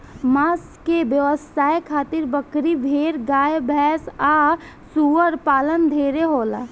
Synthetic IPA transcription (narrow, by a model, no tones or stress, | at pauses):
maːs | kebjəʋəsaːjekʰaːt̪ɪɾbəkɾibʱeːɾɡaːjbʱɛːsaː | suəɾpaːlənd̪ʱeːɾeɦoːla̰